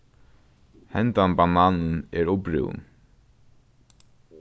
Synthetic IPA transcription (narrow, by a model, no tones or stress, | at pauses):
hɛnt̪anbanaːnənɛɹʊpɾɪ̰w̰n